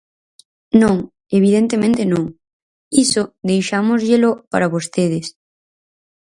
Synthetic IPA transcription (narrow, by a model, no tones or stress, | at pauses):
nõŋ | eβ̞ið̞ent̪emẽnt̪enõŋ | isod̪ejʃamozʎelopaɾaβost̪eðes